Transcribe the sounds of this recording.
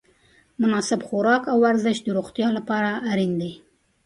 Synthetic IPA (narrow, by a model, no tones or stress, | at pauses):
mʊnɑsɪbxʊɾɑkawaɾzɪʃd̪əɾoxt̪jɑlapɑɾaːɾind̪e